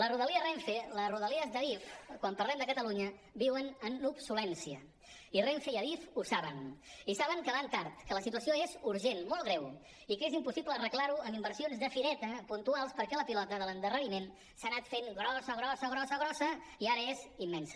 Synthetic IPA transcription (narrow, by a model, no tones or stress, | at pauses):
ləruðəliəreɱfeləruðəliəzd̪əβifkwampəɾlɛmd̪əkət̪əluɲə | biwənənubsulɛnsiə̰ | ireɱfeiəβifusaβənisaβəŋkəβant̪aɾt̪kələsit̪uəsioezuɾʒenmolˠɣɾɛw | ikezimpusiplərəklaɾuəmimbəɾsionzðəfiɾɛt̪əpunt̪ualˠspəɾkɛləpilɔt̪əðələnd̪ərəɾimen | sanat̪feŋɡɾɔsəɣ̞ɾɔsəɣɾɔsəɣɾɔsəiaɾəezimːɛnsə